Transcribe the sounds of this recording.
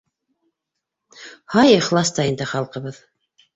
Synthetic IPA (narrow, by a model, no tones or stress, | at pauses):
hɑjɤχlˠɑst̪ɑind̪ɘχɑlˠqɤ̆βɤð